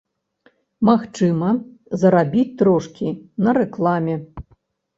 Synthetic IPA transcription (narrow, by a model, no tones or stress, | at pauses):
maxt͡ʂɨmɐzɐɾabʲit͡sʲt̪ɾɔʂkʲinɐɾɛklˠamʲɛ